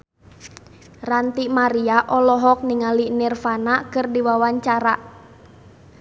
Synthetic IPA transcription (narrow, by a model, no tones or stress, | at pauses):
rant̪imaɾiaʔɔlɔɦɔk̚niŋalinirfanakɨrdiwawaɲt͡ʃaɾa